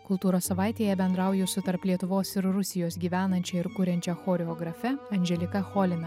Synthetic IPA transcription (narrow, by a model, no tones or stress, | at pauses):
kʊlˠt̪uːɾoːsːɐʋɑˑɪt̪ʲeːjɛbʲɛnd̪ɾɑˑʊjʊsʲʊt̪ɐɾplʲiɛt̪ʊʋoːsɪɾɾʊsʲɪjoːsɡʲiːʋʲæːnɐnʲt͡ʃʲɛɪɾkʊɾʲɛnʲt͡ʃʲɛxoːɾʲɛɔːɡɾɐfʲɛɐnʲʒʲɛlʲɪkɐxɔːlʲɪnɐ